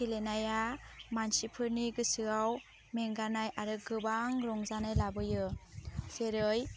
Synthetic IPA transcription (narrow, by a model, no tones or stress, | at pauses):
kelenajamansipʰɯɾniɡɯsɯaw | meŋɡanajʔaɾɯɡɯbaŋɾɔŋzanajlabɯjɯseɾɯj